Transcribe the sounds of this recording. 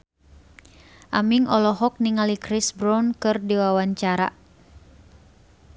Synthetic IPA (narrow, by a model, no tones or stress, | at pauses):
ʔamiŋɔlɔɦɔk̚niŋalikɾisbɾawnkɨrdiwawaɲt͡ʃaɾa̰